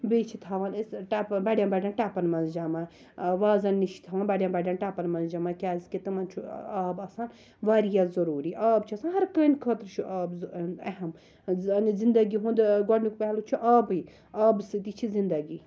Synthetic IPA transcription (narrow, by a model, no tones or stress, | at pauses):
bet͡ʃʰit̪ʰaːʋanesʈapbɐɽʲjãnbɐɽʲjaːnʈaːpɐnmɐnzd͡ʒama | ʋaːzɐnːiʃi̥t̪ʰaːʋaːnbɐɽʲjãnbɐɽʲjanʈaːpɐnmɐnzd͡ʒamakʲaːzket̪ɨmɐnt͡ʃʰuaːbɐsan | ʋaːɾijazɐɾuːɾiʔaːbt͡ʃʰiɐsaːnɦɐɾkəːnʲkʰɐːt̪ɾt͡ʃʰuʔaːbzɐɦɐm | ɐnizind̪ɐɡiɦũnd̪ɡɐɽnuk̚pɛɦlut͡ʃʰuʔaːbɨj | aːbsɨt̪it͡ʃʰizind̪ɐɡi